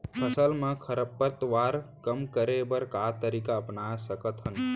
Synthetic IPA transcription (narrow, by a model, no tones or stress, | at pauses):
pʰəsəlmə̃kʰəɾəpːəɾt̪ʋaɾkəmkəɾebəɾkat̪əɾikaəpnasəkət̪ɦən